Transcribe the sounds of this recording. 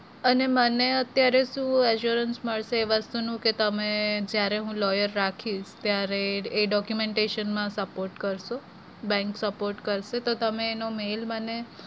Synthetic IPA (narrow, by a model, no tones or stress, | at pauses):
əneməneət̪jaɾeʃũɛʃjuɾənsməɭʃeːʋəst̪unũket̪əmẽd͡ʒjaɾeɦũlɔjəɾːakʰiʃt̪jaɾeːɖɔkjumeɳʈeʃənmãsəpoɾʈkəɾʃo | bɛ̃ŋksəpoɾʈkəɾʃet̪ot̪əmẽːnomelməne